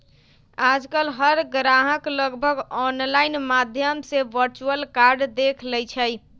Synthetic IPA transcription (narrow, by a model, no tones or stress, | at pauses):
ad͡ʒkəlɦəɾɡɾaɦəkləɡbʱəɡɔnlaɪnmad̪ʱjəmseʋəɾt͡ʃuəlkaɾɖd̪ekʰlɛjt͡ʃʰəj